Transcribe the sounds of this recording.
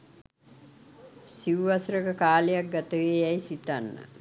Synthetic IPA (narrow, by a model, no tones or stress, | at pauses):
siʋʋasɾəkəkaːlejak̚ɡat̪əʋeːɛjsit̪anːə̰